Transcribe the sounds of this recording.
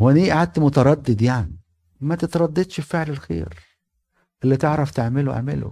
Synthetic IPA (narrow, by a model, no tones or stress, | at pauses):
hwæniːʔaʕad̪̚t̪mʊt̪ɑɾˤɑd̪ːed̪jaʕni | mæt̪ɪt̪ɾˤɑd̪ːɑd̪ʃfeʕlelxḛːɾ | ʔɪlːit̪eʕɾˤɑft̪eʕmɪl̰ʕmɪ̰lo̰